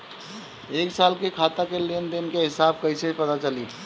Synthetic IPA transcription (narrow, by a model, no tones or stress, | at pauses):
eːksaːlkekʰaːt̪akeliend̪eʊnkeɦɪsaːb̚kɐiseipɐt̪at͡ʃɐli